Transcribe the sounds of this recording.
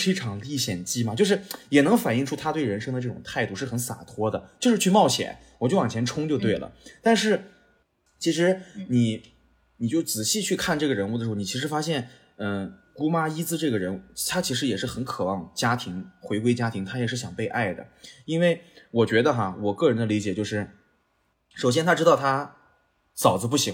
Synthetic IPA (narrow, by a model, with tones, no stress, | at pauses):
e˥ʈ͡ʂʰɑ˧˥ŋli˥˧ɕjɛ˨˩nt͡ɕi˥mɐ˨t͡ɕjo˥˧ʊʂɻ̩˥˩jɛ˨˩nɤ˧˥ŋfa˨˩ni˥˧ŋʈ͡ʂʰu˥t̪ʰa˥t̪we˥˩ɪɻə˧˥nʂɤ˥ŋd̪ə˧ʈ͡ʂɤ˥˩ʈ͡ʂʊ˨˩ŋt̪ʰa˥˧ɪt̪u˥˧ʂɻ̩˥˩xə˧˥nsa̰˨˩t̪ʰwɔ˥d̪ə˨t͡ɕjo˥˧ʊʂɻ̩˥˧t͡ɕʰy˥˧mɑ˥˩ʊɕjɛ̰˨˩˦n | wɔ˨˩t͡ɕjo˥˩ʊwɑ˨˩t͡ɕʰjɛ˧˥nʈ͡ʂʰʊ˥ŋt͡ɕjo˥˧ʊt̪we˥˩ɪlə̰˩t̪a˥˧nʂɻ̩˥˩ | t͡ɕʰi˧˥ʂɻ̩˧˥ni˨˩˦ | ni˨˩t͡ɕjo˥˩ʊt͡sɹ̩˨˩ɕi˥˧t͡ɕʰy˥˧kʰa˥˧nʈ͡ʂɤ˥˩ɡə˩ɻə˧˥nu˥˩d̪ə˩ɻ̩˧˥˧ni˨˩˧ʂɻ̩˧˥fa˥ɕ̬jɛ˥˩n | ə˥˧ku˥ma˥i˥t͡sɹ̩˥˧ʈ͡ʂɤ˥˩ɡə˩ɻə˧˥nu˥˩t̪ʰa˥t͡ɕʰi˧˥ʂ̬ɻ̩˧˥jɛ˨˩ʂɻ̩˥˩xə˧˥nkʰɤ˨˩wɑ˥˩ŋt͡ɕja˥t̪ʰi˧˥ŋxwe˧˥ɪkwe˥ɪt͡ɕja˥t̪ʰi˧˥ŋt̪ʰa˥jɛ˨˩ʂɻ̩˥˩ɕjɑ˨˩ŋpe˥˧ɪʔa̰˥˩ɪd̪ə̰˩i˥nwe˥˩ɪwɔ˨˩t͡ɕɥɛ˧˥d̪ə˧xa˧wɔ˨˩kɤ˥˩ɻə˧˥nd̪ə˧li˧˥t͡ɕjɛ˨˩t͡ɕjo˥˧ʊʂɻ̩˥˩ | ʂo˨˩ʊɕjɛ˥nt̪ʰa˥ʈ͡ʂɻ̩˥ɑ˥˩ʊt̪ʰa˥ | sɑ˨˩ʊd͡zə˦p̬u˥˩ɕi˧˥ŋ